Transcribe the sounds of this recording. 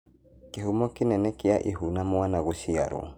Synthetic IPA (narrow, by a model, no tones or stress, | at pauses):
keɦumɔkenɛnɛkeaʔeɦunamwanaɣosia̰ɾɔ̰